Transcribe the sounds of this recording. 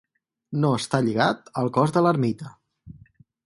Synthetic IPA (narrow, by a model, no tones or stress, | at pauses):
noəst̪aʎiɣat̪əlˠkɔzðələɾmit̪ə